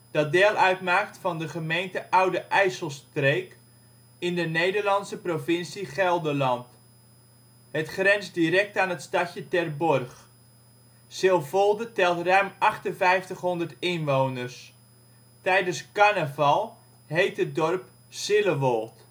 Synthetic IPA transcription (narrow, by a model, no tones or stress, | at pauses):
d̥ɑt̚deːlˠʔœɥtmaːk̚tfɑndəχəmejntəʔʌwdəʔɛjsəlˠstrejk | ɪndənejdərlɑnsəprovɪnsiχɛlˠdəlɑnt | hətχrɛnzdiɾɛk̚taːnɦətstɑcjətɛrbɔrχ | sɪlˠvɔlˠdətɛlˠtrœɥmʔɑχtənvɛjftəχɦɔndərtɪnʋownərs | tɛjdənskanəvɑlˠ | ɦejtɦət̚dɔrp | sɪləʋɔlˠt